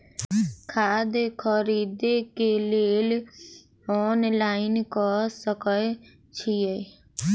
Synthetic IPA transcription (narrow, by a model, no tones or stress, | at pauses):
kʰaːd̪ekʰəɾiːd̪ekeleːl | ɔːnlaːɪnkɔsəkə | t͡ʃʰije